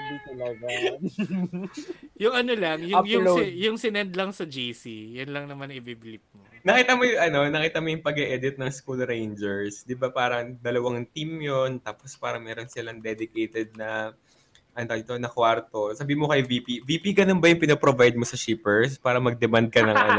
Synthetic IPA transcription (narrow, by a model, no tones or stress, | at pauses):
d̪it̪ɐlɐɡ | jʊŋɐnolɐŋjʊŋjʊŋojʊŋsɪnɛnd̪lɐŋsɐd͡ʒijsijʊnlɐŋnɐmanʔɪbibɪlɪp̚monɐkiːt̪ɐmojʊŋʔɐno̞nɐkiːt̪ɐmojʊŋpɐɡɛʔɛd̪ɪt̪̚nɐŋskulɾejnd͡ʒɛɹsd̪ɪbapaːɾɐŋd̪ɐlɐwaŋt̪imjo̞nt̪aːpospaːɾɐŋmɛːɾonsɪlɐŋd̪ɛd̪ɪkejt̪ɛd̪̚nɐ | ʔɐnot̪onɐkwaɾt̪o̞saːbihmokɐjviːpiviːpiɡɐnonbɐjʊŋpɪnopɾovajd̪̚mosɐʃiːpɛɹs̬paːɾɐmɐɡ̚d̪ɛmand̪̚kɐnɐŋʔɐno